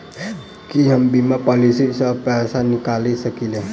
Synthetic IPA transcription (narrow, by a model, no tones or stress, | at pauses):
kiɦəmbimapɔːlisisəpɛːsanɪkaːlisəkile